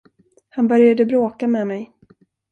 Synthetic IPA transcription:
hanbœɾjad̪əbɾoːkamɛmɛj

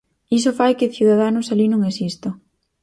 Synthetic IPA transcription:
is̬ofajkɪθjuðað̞anʊsalinõŋesist̪ʊ

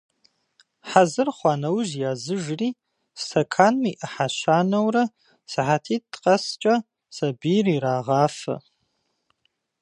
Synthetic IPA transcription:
ħazɨrχʷɑːnɐwʒjaːzɨʒriː | ssʰɐkʰaːnmiʔɐħaɕaːnɐwrɐ | sɨħatʰiːt̚tqʼɐst͡ʃʼɐ | sɐbiːriːɾaːʁaːfɐ̰

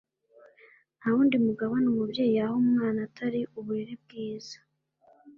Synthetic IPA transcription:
nahuːndimuɡaβonumubje̞ːjijahomŋaːnatʰaɾiʔuβuɾeɾeb̚ɡiːz̥ḁ

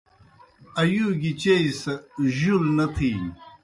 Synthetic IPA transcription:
ɐjuɡit͡ɕejsɐʑulnɐt̪ʰi

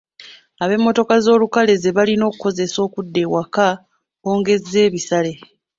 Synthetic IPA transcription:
aβe̞mːo̞to̞kazo̞ːlukale̞ze̞βalino̞ːku̥ko̞ze̞so̞ːkudːe̞ːwaka | o̞ːŋɡe̞zːe̞ːβisale̞

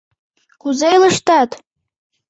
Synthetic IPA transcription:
kʰuzejləʂt̪ʰatʰʼ

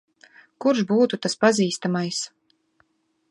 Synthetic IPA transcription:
kuɾʃbuːt̪ut̪aspaziːst̪amajs

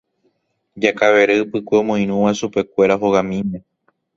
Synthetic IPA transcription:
d͡ʒakaβe̞ɾepɨkʷemõj̃ɾ̃ũʋasupe̞kʷe̞ɾaɦoɣamĩmẽ̞

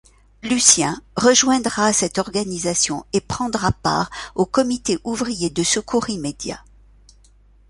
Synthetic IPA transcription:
lysjɛ̃ʁəʒwɛ̃d̪ʁasɛt̪ɔʁɡanizasjɔ̃epχɑ̃d̪ʁapa̰ːʁokɔmit̪eʔuvʁijed̪əsəkuʁimed̪ja̰

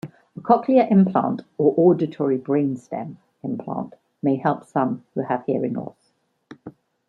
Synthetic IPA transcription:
əkʰɒkʰliəʔɪ̃mpʰl̥ɑ̰̃ˑntəʔɔːdɪtʰɔɹibɹẽɪ̃nstɛ̰̃m | ɪ̃mpʰl̥ɑ̰̃ˑnʔ | meɪhɛlˠpsʌ̃mhuəv̥hiəɹɪ̃nɔ̰ˑθ

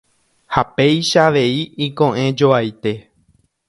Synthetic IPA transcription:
hape̞jʃaʋe̞iikõʔẽ̞d͡ʒo̞ajt̪e̞

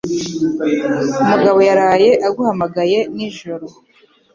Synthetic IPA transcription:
umuɡaβo̞jaɾaːje̞ʔaɡuhamaɡaje̞niʒoɾo

